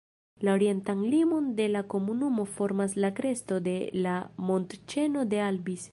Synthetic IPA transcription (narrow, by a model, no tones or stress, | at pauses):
lao̞ɾie̞ntaŋɡlimo̞nde̞lako̞munumo̞fo̞ɾmaslakɾe̞sto̞de̞lamo̞ntt͡ʃe̞no̞de̞albis